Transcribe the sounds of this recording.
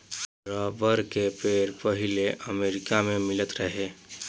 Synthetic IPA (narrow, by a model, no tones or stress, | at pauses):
ɾəbəɾkepeːɾpəɦɪleʔəmeːɾɪkamẽmɪlət̪ɾəɦeː